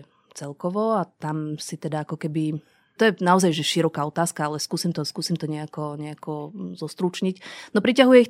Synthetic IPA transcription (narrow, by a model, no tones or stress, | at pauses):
t͡sɛlkɔʋɔat̪amsit̪ɛd̪aakɔkɛbi | t̪ɔjɛnaɔzajʒɛʃiɾɔkaɔt̪aːskaalɛskuːsimt̪ɔskuːsimt̪ɔɲɛakɔɲɛakɔzɔst̪ɾut͡ʃɲicnɔpɾicaɦujɛix